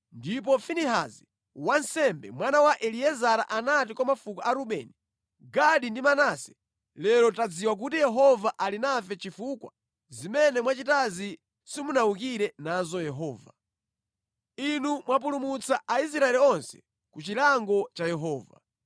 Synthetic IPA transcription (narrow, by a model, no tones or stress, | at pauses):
ndip̬ɔfiniɦa̰zi | wansɛmbɛ̰mwanawaʔɛliɛzaɾaʔanatikwɔmafukaaɾuɓɛni | ɡaɗindimanasɛ̥ | lɛlɔtad͡ziwak̬utijɛɦɔvaʔalinafɛt͡ʃifukwa̰ | zimɛnɛmwat͡ʃitazi | simunawukiɾɛnazɔjɛɦɔːva̰ | inumwap̬ulumut͡saais̬ɾaɛliɔnsɛ̥ | kut͡ʃilaŋɡɔt͡ʃajɛɦɔːva̰